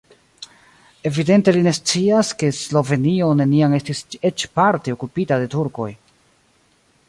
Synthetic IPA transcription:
e̞vide̞nte̞line̞st͡siaske̞slo̞ve̞nio̞ne̞niaŋe̞stise̞t͡ʃpaɾteo̞kupitade̞tuɾko̞̰j

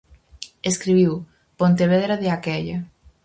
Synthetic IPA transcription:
eskɾiβiw | pont̪eβeðɾaðeakɛʎɐ

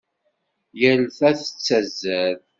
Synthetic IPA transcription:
jælθæθə̥t͡sːæzːæð

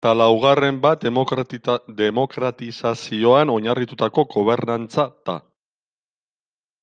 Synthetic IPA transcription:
t̪alawɣ̞are̞mbat̪ | d̪e̞mo̞kɾat̪isasio̞ano̞ɲarit̪ut̪ako̞ɡo̞β̞e̞ɾnant͡sat̪a̰

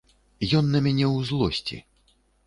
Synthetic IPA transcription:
jɔnːɐmʲanʲɛwzlˠɔsʲt͡sʲḭ

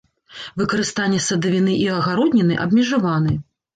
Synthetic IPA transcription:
vɨkɐɾɨst̪anʲːɛsɐd̪ɐvʲinɨʔiɐɣaɾɔd̪ʲnʲɛnɨʔɐ̰bmʲɛʐavanɨ

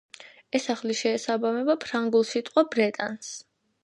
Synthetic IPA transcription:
ɛsaχliʃɛːsabamɛbapʰɾaŋɡulˠsit̪ʼqʼwabɾɛt̪ʼans

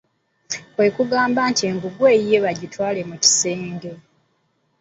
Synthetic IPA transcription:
kwe̞kuɡaːmbaːntie̞ːŋɡuɡwe̞ːje̞βaɟitwaːle̞muci̥seːŋɡe

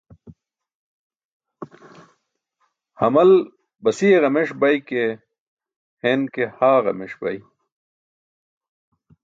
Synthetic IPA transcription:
hɐmɐl | bɐsieɣɐmeʂbɐjke | henkehaːʁɐ̰meʂbɐ̰j

